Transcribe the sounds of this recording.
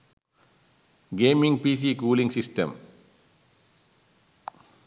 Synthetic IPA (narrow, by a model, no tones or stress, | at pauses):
ɡeːmĩŋɡpiːs̬ikuːlĩŋɡsisʈɐ̰m